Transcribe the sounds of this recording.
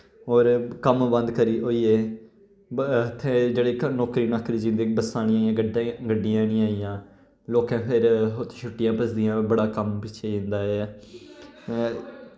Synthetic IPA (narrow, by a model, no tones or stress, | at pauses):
ɔːɾkəmbə̃nd̪kəɾiːʔoːiːeː | t̪ʰːẽːd͡ʒeːɽeːnɔːkɾiːnaːkːɾiːd͡ʒɪ̃nd̪eːbəsãːñĩaːiãːɡəɡəɖɪjãːnĩːaːijãː | loːkãːpʰɪɾɦot̪ːt͡ʃʰʊʈːɪjãːpəsd̪ɪjãːbəɽaːkəmpɪt͡ʃʰeːd͡ʒɪ̃nd̪aːeː